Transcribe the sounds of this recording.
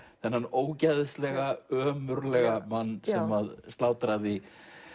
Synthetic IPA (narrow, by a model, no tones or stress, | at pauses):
θɛnhanːoːwcajðɪst̪lɛɣaœːmʏɾlɛɣamanːsɛmaðst̪laːwt̪ɾaði